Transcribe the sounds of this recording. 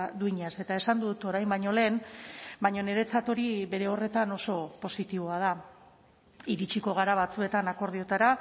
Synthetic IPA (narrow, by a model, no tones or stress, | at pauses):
d̪uiɲase̞t̪ae̞sand̪ut̪o̞ɾajmbaɲole̞ːnbaɲo̞ne̞ɾe̞t͡sat̪o̞ɾiβe̞ɾe̞o̞re̞t̪ano̞so̞po̞sit̪iβ̞o̞að̞a | iɾit͡ʃiko̞ɣ̞aɾaβ̞at͡sue̞t̪anako̞ɾð̞io̞t̪aɾa